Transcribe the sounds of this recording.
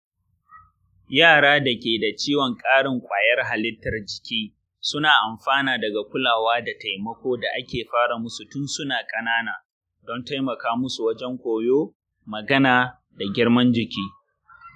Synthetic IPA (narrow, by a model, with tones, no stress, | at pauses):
jaː˦˨ɽaː˦da˨kʲeː˨da˨t͡ʃiː˦wɔ˨ŋkʼaː˦ɽɪ˨ŋkʷʼaː˨jɐ˦rɦa˨lɪ˦tːɐ˨rd͡ʒɪ̥˨kʲiː˦ | sʊ˦naː˨ʔa˨mɸaː˦naː˨dɐ˨ɡa˨kʷʊ˦laː˨waː˦da˨ta˨jmɐ˦kʷoː˦da˨ʔa˦kʲeː˨ɸaː˦ɽa˨mʊ˦su˨tʊ˦nsʊ˦naː˨kʼɐ˦naː˦naː˨ | dɔ˦nta˦jmɐ˨kaː˦mʊ˦su˨wɐ˦d͡ʒɛ˦ŋkʷoː˨joː˦ | mɐ˨ɡɐ˦naː˨ | da˨ɡʲɪ˦ɽmɐ˦nd͡ʒɪ˨kʲiː˦